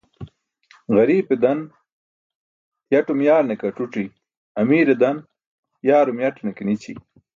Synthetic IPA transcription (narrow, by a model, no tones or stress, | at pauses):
ɣɐɾiːped̪ɐn | jɐʈumjaːɾnekɐʈ͡ʂuʈ͡ʂi | ɐmiːɾed̪ɐn | jaːɾumjɐʈnekenit͡ɕḭ